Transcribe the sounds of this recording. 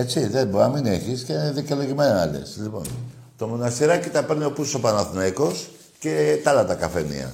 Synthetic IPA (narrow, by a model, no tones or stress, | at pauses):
e̞t͡siðeboɐmineçisceneðikeloʝimenɐɐlḛslipo̞̰n | t̪o̞monɐst̪iɾɐcit̪ɐpe̞ɾnio̞pusopɐnɐθnɐiko̞s | ce̞t̪ɐlɐt̪ɐkɐfenḭɐ̰